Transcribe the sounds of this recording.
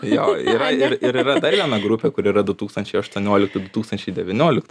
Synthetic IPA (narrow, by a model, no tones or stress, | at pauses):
joːḭːɾɐɪrɪɾiɾɐd̪ɐrʋʲiɛnɐɡɾʊpʲeːkʊɾiːɾɐd̪ʊt̪uːkst̪ɐnʲt͡ʃʲɛɪɐʃt̪uɔnʲoːlʲɪk̚t̪ʊd̪ʊt̪uːkst̪ɐnʲt͡ʃʲɛɪdʲɛʋʲɪnʲoːlʲɪkt̪ʊ